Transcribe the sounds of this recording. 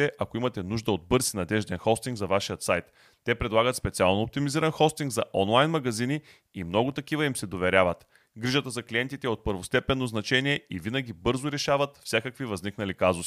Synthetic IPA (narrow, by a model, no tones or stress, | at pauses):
ɛʔɐkoimɐt̪ɛnuʒd̪əod̪̚bɤɾsinɐd̪ɛʒd̪ɛnxɔst̪iŋɡzɐvaʃijət̪sajt̪ː | ɛpɾɛd̪lˠaɡət̪spɛt̪sialˠnoop̚t̪imiziɾɐnxɔst̪iŋɡzɐʔɔnlˠajnmɐɡɐzini | imnɔɡʊt̪ɐkivəimsɛd̪ovɛɾʲjavət̪ | ɡɾiʒət̪əzɐkliɛnt̪it̪ɛot̪̚pəɾvost̪ɛpɛnːoznɐt͡ʃɛniɛivinəɡʲibɤɾzoɾɛʃavət̪fsʲakəkvivɐzniknɐlikazus